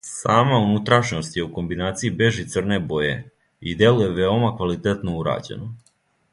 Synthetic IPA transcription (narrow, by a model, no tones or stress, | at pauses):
saːmaunut̪ɾaʃno̞st̪je̞uko̞mbinaːt̪siibe̞ʒit̪sr̩ne̞bo̞je̞̰ | id̪je̞luje̞ʋe̞o̞makʋalit̪e̞t̪no̞uɾa̰ːd͡ʑe̞̰no